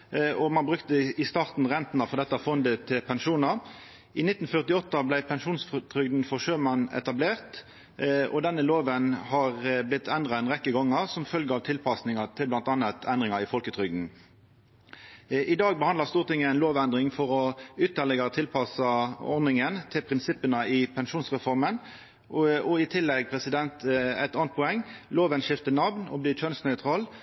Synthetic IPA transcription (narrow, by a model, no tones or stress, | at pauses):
ɔmɑnbʁʉkt̪əɪst̪ɑːʁt̪n̩ʁɛnt̪nɑfɔʁd̪ɛt̪ːəɑfɔnd̪ət̪ʰɪlpʰɛnʂuːnɑ | ɪnɪt̪ːn̩fœʁt̪ɪɔt̪ːɑblæɪpʰɛnʂuːnsft̪ʰʁʏɡd̪n̩fɔʁʂøːmɑnɛ̰t̪ɑbleːʁt̪ | ɔ̰d̪ɛnːəloːʋənhɑʁblɪt̪ʰːɛnd̪ʁɑɛnʁɛkːəɡɔŋːɑsɔmfœlɡəɑʋt̪ʰɪlpʰɑsnɪŋɑt̪ʰɪlblɑnt̪ɑnɑt̪ʰɛnd̪ʁɪŋɑɪfɔlkət̪ʰʁʏɡd̪n̩ | ɪd̪ɑːɡ̚bəhɑnd̪əʁst̪uːʁt̪ɪŋːəæɪnloːʋɛnd̪ʁɪŋfɔʁɔʏt̪əʁlɛɡɑt̪ʰɪlpʰɑsɑɔɾnɪŋənt̪ʰɪlpʰʁɪnsɪpːənəɪpʰɛnʃuːnsʁɛfɔʁmən | ɔɪt̪ʰɪlːɛɡ̚pʰʁɛsɪd̪ɛnt̪æ̰ɛɪt̪ɑːnt̪pʰɔɛŋːloːʋənʂɪft̪ənɑʋnɔ̰bliːt͡ʃʰœnsnœʏt̪ʰʁɑːl